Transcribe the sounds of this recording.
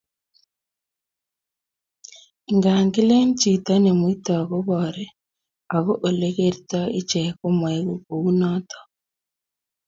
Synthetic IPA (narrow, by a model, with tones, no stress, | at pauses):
ŋɡa˨ŋɡi˦le˦nt͡ʃi˨ta˦ne˨mwi˦tɔ˨ɣo˦βɔ˨ɾɛ˦ | a˨ɣo˦ʔo˨le˦ɣeɾitɔ˦e˦t͡ʃe˨ko˦mweɣu˦ko˨ɣu˦nɔ˦tɔ̥